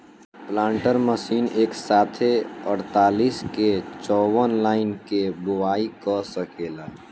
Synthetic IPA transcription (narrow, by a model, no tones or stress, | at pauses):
plãːɳʈəɾməsiːneːksaːt̪ʰeəɽt̪aːliːsket͡ʃɔːwənlaːɪnkebʊwaːikɔsəkeːlaː